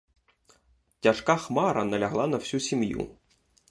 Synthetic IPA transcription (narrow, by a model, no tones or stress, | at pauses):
tʲɐʂkaxmɑɾɐnɐlʲɐɦlˠɑnɐw̥sʲusʲimjṵ